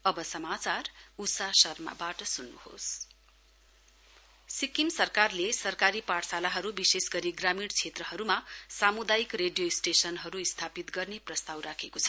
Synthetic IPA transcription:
ʌbʌsʌmat͡sarusasʌrma̰baʈʌsunːṵho̰s | sikimsʌrkarlesʌrkaɾipaʈʰsalaɦʌɾubisesɡʌɾiɡramiɽt͡sʰet̪rʌɦʌɾumasamud̪ajikreɖijoisʈesʌnɦʌɾuist̪ʰapit̪ɡʌrneprʌst̪awrakʰekot͡sʰʌ̥

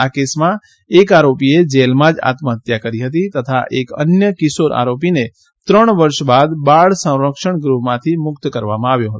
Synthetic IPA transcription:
akesmã | ekaɾopied͡ʒelmãd͡ʒa̰t̪məɦət̪jakəɾiɦət̪̬it̪ət̪ʰaʔekə̰njəkɪsoɾʔa̰ɾop̬ine | t̪ɾəɳ̃ʋəɾʃbad̪baɭsə̃w̃ɾəkʃəɳɡɾuɦmãt̪ʰimʊkt̪kəɾʋamãaʋjõɦət̪

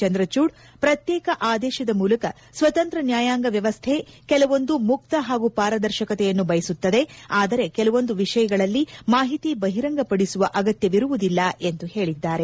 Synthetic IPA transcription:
t͡ʃɐnd̪ɾɐt͡ʃuːɖ | pɾɐt̪jɛːkɐʔaːd̪ɛːʃɐd̪ɐmuːlɐkɐ | sʋɐt̪ɐnt̪ɾɐnjaːjaːŋɡɐʋjɐʋɐst̪ʰekɛlɐʋo̞nd̪umuk̚t̪ɐɦaːɡupaːɾɐd̪ɐɾʃɐkɐt̪ɛjɐnːubɐjɐsut̪ːɐd̪e̞aːd̪ɐɾe̞kɛlɐʋo̞nd̪uʋiʂɐjɐɡɐɭɐlːimaːɦit̪ibɐɦiɾɐŋɡɐpɐɽisuʋɐʔɐɡɐt̪jɐʋiɾuʋud̪ilːɐe̞nd̪uhe̞ːɭid̪ːaːɾe̞

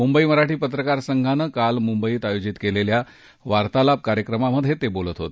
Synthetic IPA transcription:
mumbəiːməɾaʈiːpət̪̬ɾəkaɾsəŋɡʱanəkalmumbəiːt̪ajod͡ʑit̪kelelja | ʋaɾt̪alab̚kaɾjəkɾəmaməd̪ʱːjet̪ebolət̪ɦo̰t̪

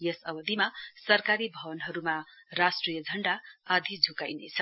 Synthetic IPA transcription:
jesʌbʌd̪ʱimasʌrkaɾibʱʌbʌnɦʌɾumarasʈrijʌd͡zʱʌɳɖaːd̪ʱid͡zʱukajnet͡sʰʌ

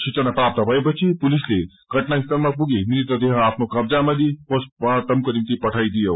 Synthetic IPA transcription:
sit͡sənapɾap̚t̪əbʱʌepʌt͡sʰipulisle | ɡʱəʈnaist̪aɾmapuɡemiɾit̪əd̪eɦãapʰnokʌb̚d͡zaməd̪ipospt̪ʌmkonimt̪ipʌʈʰajd̪ijow

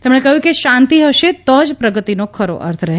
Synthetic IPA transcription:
t̪emɳekəɦjũkeʃãnt̪iɦəʃet̪ɔd͡ʒpɾəɡət̪inokʰəɾo̰ʔə̰ɾt̪ʰɾəɦe

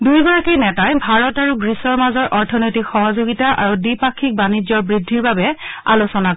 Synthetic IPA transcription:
dujɡɔɹakejnɛtajbʱaɹɔtaɹuɡɹisɔɹmazɔɹʔɔɹtʰɔnojtikxɔɦɔzoɡitaʔa̰ɹudipakʰːik̚banizɔɹbɹidʱːiɹbabɛa̰losɔna

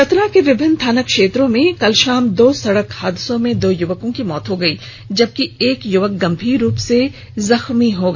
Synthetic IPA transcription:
ɐt̪ɾakeʋɪbʱɪnːt̪ʰaːnəkʃeːt̪ɾõmẽkɐlʃaːmd̪oːsɐɽəkhaːd̪ɪsõmẽd̪oːjʊʋəkõkimɔːt̪ɦoɡɐiː | d͡ʒɐb̚kieːkjʊʋək̚ɡɐ̃mbʱiːɾuːpse | zɐxmiɦoɡa

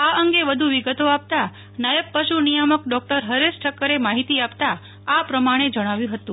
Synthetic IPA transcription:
aəŋɡeʋəd̪ʱuʋiɡət̪oap̚t̪a | najəb̚pəʃunijəməkɖɔk̚ʈəɾɦəɾesʈʰəkːəɾemaɦit̪iapt̪a | apɾəmaɽ̃ed͡ʒəɽ̃aʋjũɦət̪ũ

